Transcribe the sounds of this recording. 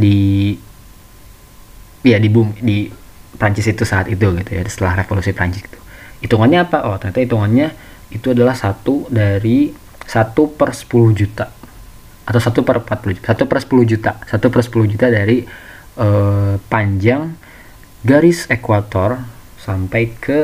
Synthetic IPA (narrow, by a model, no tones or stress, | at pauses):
di | jadibʊmdi | pɾaɲt͡ʃɪsit̪usaːt̪it̪uɡit̪uja̰sə̥t̪əlahrefolusipɾa̰ɲt͡ʃɪsi̥t̪u̥it̪uŋanɲaːpaʔot̪ərat̪ait̪uŋanɲa | it̪uadalahsat̪udaɾi | sat̪upərsə̥puluhd͡ʒut̪a | at̪awsat̪upərmpat̪̚pulud͡ʒut̪asat̪upərsə̥puluhd͡ʒut̪asat̪upərsə̥puluhd͡ʒut̪adaɾi | əpaɲd͡ʒaŋ | ɡaɾɪsekwat̪ɔr | sampajkʰə